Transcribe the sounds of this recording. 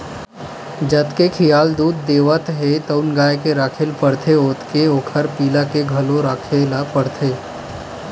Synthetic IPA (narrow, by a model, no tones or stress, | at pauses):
d͡ʒət̪kekʰɪjaːld̪uːd̪̚ːeːʋət̪ɦet̪əʊnɡaːjkeɾaːkʰeːlpəɽt̪ʰeoːt̪keoːkʰəɾpiːlakeɡʱɐloɾaːkʰelapəɽt̪ʰeː